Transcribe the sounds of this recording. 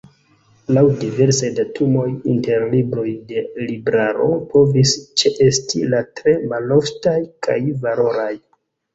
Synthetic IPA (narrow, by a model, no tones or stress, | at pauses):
lawdive̞ɾsajdatʰumo̞jinte̞ɾlibɾo̞jde̞libɾaɾo̞̰po̞vist͡ʃeʔe̞stilatɾe̞maloftajkʰa̰jvalo̞ɾaj